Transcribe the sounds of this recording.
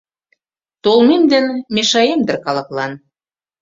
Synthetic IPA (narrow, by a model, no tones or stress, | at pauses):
t̪olmemd̪ə̆nmeʃɑjemd̪ə̆rkɑlɤ̆klɑn